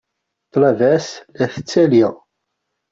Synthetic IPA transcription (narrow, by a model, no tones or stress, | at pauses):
t̪ˤːlɑvæslæθət͡sːæliʁ